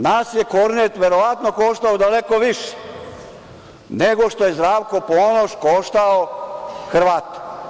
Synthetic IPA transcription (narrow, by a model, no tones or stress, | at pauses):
naːsjekoɾnet̪ʋeɾo̞ʋat̪no̞koʃt̪aod̪alekoʋiʃe̥ | neɡo̞ʃt̪oje̞zd̪ɾaːʋko̞poːnoʃkoʃt̪aoxr̩ʋaːt̪o̥